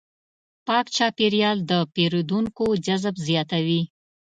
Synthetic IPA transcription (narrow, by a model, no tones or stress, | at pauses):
pɑkt͡ʃɑpeɾjɑld̪əpeɾod̪uŋkod͡ʒazbzjɑt̪awi